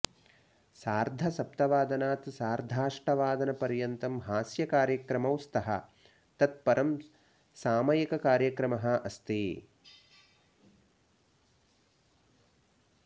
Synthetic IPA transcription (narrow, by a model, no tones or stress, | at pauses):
saːɾd̪ʱɐsɐp̚t̪ɐʋaːd̪ɐnaːt̪saːɾd̪ʱaːʂʈɐʋaːd̪ɐnɐpɐɾjɐnt̪ɐmɦaːsjɐkaːɾjɐkɾɐmɐwst̪ɐɦɐ̰ | t̪ɐt̪̚pɐɾʔɐm | saːmɐjɐkɐkaːɾjɐkɾɐmɐɦɐ̆ɐst̪eː